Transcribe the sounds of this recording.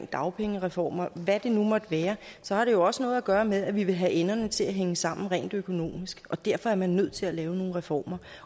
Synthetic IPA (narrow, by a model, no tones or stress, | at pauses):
ŋ̰d̥ɑ̈ʊpʰeŋəʁɛfɒ̰ːmɐʋæd̥e̝numɒ̽d̥ʋæːɐsɒ̽hɑ̈ɾ̥e̝jo̝ɒ̽sənɔ̽ːð̩ˠæɡ̥ɶːɐmeð̞ˠæʋiʋe̝ɦæʔenɐnət͡sʰe̝læɦeŋəsɑ̈m̰n̩ʁɛ̰ːnd̥økʰo̝no̝̰ːmisɡ̥ɒ̽d̥æɐ̰fɒ̽æɐmænːøð̞̰ˠt͡sʰe̝lælɛːʊno̝ːn̩ʁɛfɒ̰ːmɐ